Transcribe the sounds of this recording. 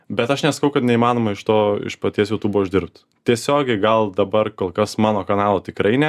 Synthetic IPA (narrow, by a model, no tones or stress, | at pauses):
bʲɛt̪ɐʃnʲɛsɐ̥kɐʊkɐt̪nʲɛimɑːnoːmɐɪʃt̪oːɪ̰ʃpɐt̪ʲiɛsjoːt̪uːboːʊʒʲd̪ʲɪɾp̚t̪ | t̪ʲiɛsʲoːɡʲɛɪɡɐlˠd̪ɐbɐrkoːlˠkɐsmɑːnoːkɐnɑːlˠoːt̪ʲɪkɾɐɪnʲɛ